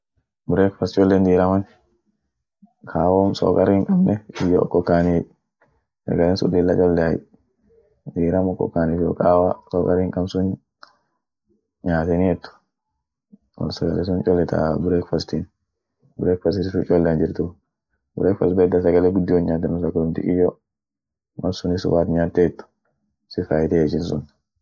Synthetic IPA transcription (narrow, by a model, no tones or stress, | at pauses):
bʊɾeːkfɐst̪t͡ʃʼɔlːend̪iːɾɐmɐn | kʰaːwoːmso̰ːkʼɐɾiːŋkʼɐbnɛɪjoʔɔ̰kːɔkːaːni | sɐ̰ɡɐleːnsʊ̰lːiːlːɐt͡ʃʼɔlːɛɐj | d̪iːɾɐmɔkːɔ̰kːaːnifɪɔ̰kʼaːwasoːkʼɐɾiːŋkʼɐmsʊn | ɲaːt̪ɛniɛt̪ːʊ̥ | wɐ̰lsɐɡɐlɛs̬ʊnt͡ʃʼɔlːɛt̪ʰa̰bʊɾekfɐst̪in | bʊɾɛkfɐst̪ɪsɪfut͡ʃʼɔlːɛnd͡ʒɪɾt̪ʊ | bʊɾekfɐ̰sbɛd̪ɐsɐɡɐlɛɡʊd̪ːɪjɔnɲaːt̪ːɛnʊsɐɡɐlʊnt̪ɪ̰kʼɪjɔ | wɐ̰nsʊnɪsʊ̰baːt̪ɲaːt̪ːɛɛt̪ːʊ̥ | sɪfaːjɪt̪ɛd͡ʒɪnsʊn